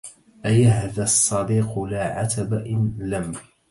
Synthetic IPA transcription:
ʔajahðasˤːɑd̪iːqʊlaːʕat̪ʰabaʔɪnlam

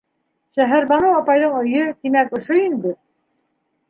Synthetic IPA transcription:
ʃæɦæɾbɑnɤwɑpɑjðɤɴɵ̆jɵt̪imækŏʃoind̪ɘ

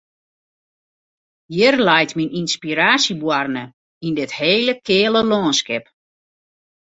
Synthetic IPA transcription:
jirlɛjtmininspiɾaːsibwarnə | indɪtheːləkʰɪːləlɔːnskɪp

